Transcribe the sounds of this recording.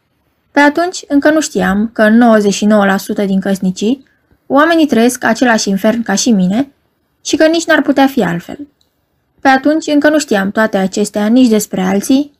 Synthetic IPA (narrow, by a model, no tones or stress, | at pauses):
pe̞at̪unt͡ʃʲɨŋkənuʃt̪iamkəɨnːo̞wəze̞ʃino̞wəlasut̪əd̪iŋkəsnit͡ʃi | oame̞nit̪ɾəje̞skat͡ʃe̞laʃinfe̞rnkaʃimine̞ | ʃikənit͡ʃʲnarput̪eafia̰lfe̞̰l | pe̞at̪unt͡ʃʲɨŋkənuʃt̪iamt̪oat̪e̞at͡ʃe̞st̪eanit͡ʃʲd̪e̞spɾe̞alt̪sij